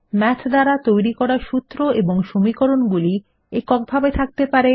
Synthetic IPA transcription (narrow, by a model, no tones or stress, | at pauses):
mɛt͡ɕʰd̪aɾat̪ojɾikɔɾaɾʃut̪ːɾoʔeboŋʃomikoɾonɡuli | ekɔk̚bʱabet̪ʰak̚t̪epaɾe